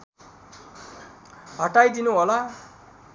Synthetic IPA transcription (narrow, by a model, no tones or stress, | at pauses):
ɦʌʈajd̪inuɦola